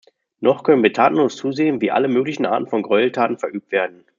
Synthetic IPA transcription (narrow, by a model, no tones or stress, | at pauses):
nɔχkʰœnənviːɐtʰaːtn̩loːst͡suːzeːənviːʔa̰ləmøːklɪçn̩ʔa̰ːtn̩fɔnɡʁɔʏl̩tʰaːtn̩fɛɐʔyːp̚tv̥eːɐdn̩